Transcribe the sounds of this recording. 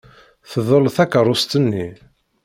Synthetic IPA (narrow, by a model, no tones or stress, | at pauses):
θəðˤəlθækəɾˤʊst̪ənːi